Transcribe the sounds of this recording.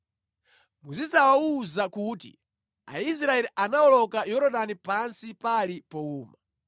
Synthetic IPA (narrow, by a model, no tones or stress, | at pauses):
muzisawauzakuːtḭ | a̰is̬ɾaɛliʔanaɔlɔkajɔɾɔɗanipansipalipɔuːma